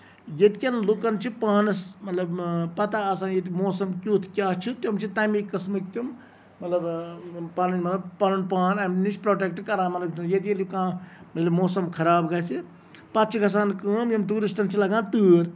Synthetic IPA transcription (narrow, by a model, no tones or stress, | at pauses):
jɐt̪ikʲɐnlukɐnt͡ʃʰipaːnɐsmɐt̪lɐbpɐt̪aːsaːnjet̪̬imoːsɐmkʲuːt̪ʰkʲaːt͡ʃʰit̪uɐmt͡ʃʰit̪aːmikːɐsmɨkt̪jum | mɐt̪lɐbpaːninmɐt̪lɐbpɐnunpaːnɐmnit͡ʃʰpɾoːʈeːk̚ʈkɐɾaːmɐt̪lɐb̪jɐt̪̬ikʲelukãːmɐt̪lɐbmoːsɐmkʰɐɾaːbɡɐsi | pɐt̪̚t͡ʃʰikɐs̬aːnkəːmjimt̪uːɾisʈɐnt͡ʃʰilɐɡãːt̪ɨːɾ